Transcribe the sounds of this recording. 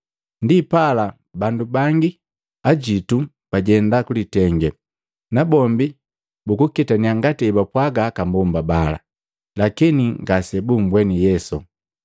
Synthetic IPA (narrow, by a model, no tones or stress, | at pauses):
ndipala | bandubaŋɡi | aɟitu | paɟɛndakulitɛŋɡɛ | nabɔmbi | bukukitaniaŋɡatiɛbapwaɡakambɔmbabala̰ | lakiniŋɡasɛbumbwɛnijɛsu